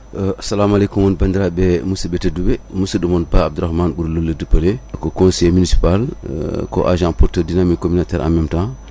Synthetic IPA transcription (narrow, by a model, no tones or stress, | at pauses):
asalamalekumonbɐndiɾabɛmusibetedubemusədumon̚baab̚duɾaxmaːnbuɾlolːədəpɐlekokõnsɛjminisi̥palko̰ʔa̰ʒãpɔɾtəɾdinamikːominatɛːɾʔa̰mɛmtã